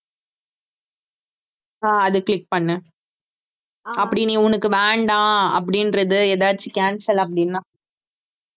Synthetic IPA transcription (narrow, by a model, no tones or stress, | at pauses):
aːɐðɯkɭɪk̚pɐɳːɯ̃ | ɐpːɐɽiniʊnɐkːɯʋeːɳɖãːɐ̰p̬ːɐɽɪnɾɐðɯɛðaːɽt͡ʃːikaːnsɐlɐp̬ːɐɽinːãː